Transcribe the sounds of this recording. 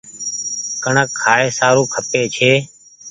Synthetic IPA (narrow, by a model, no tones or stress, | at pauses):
kəɳəkʰːaːeːsaːɾũːkʰəpeːt͡ʃʰeː